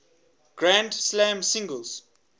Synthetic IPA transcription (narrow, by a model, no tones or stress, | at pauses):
ɡ̥ɹãndslãmsĩŋɡəlz